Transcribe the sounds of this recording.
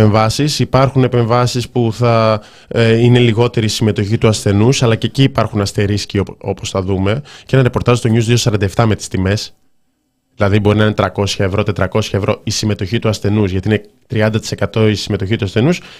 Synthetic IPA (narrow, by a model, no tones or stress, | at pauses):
eɱvɐsisipɐɾxune̞pe̞ɱvɐsispuθɐ | ine̞liɣo̞t̪e̞ɾiːsime̞t̪o̞çit̪uɐsθe̞nusɐlɐceciːpɐɾxunɐst̪e̞ɾiscioo̞posθɐðume̞ceenɐɾe̞po̞ɾt̪ɐzt̪oɲuzðio̞sɐɾɐnd̪ɐeft̪ɐme̞t̪i̥st̪ime̞s | ðilɐðibo̞ɾinɐinet̪ɾɐko̞sçɐevɾo̞t̪et̪ɾɐko̞sçɐevɾo̞isime̞t̪o̞çit̪uɐsθe̞nuzʝɐt̪iinet̪ɾiɐnd̪ɐt̪i̥sekɐt̪o̞isime̞t̪oçit̪uɐsθe̞nus